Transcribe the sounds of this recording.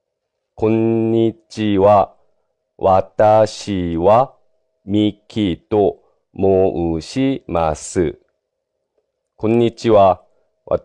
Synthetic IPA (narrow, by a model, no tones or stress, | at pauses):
kõ̞ɲɲːit͡ɕiβa | βʔat̪aɕiβa | mʲikʲʰit̪o̞ | moʔɯɕimasɨ | kõ̞ɲːit͡ɕiβa | βa̰